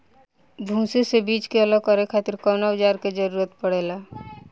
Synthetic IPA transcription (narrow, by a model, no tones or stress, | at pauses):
bʱũːsesebiːt͡ʃkeələɡkɔɾekʰaːt̪ɪɾkɔːnaʋɪd͡ʒaːɾked͡ʒəɾuːɾət̪pəɽ̤eːlaː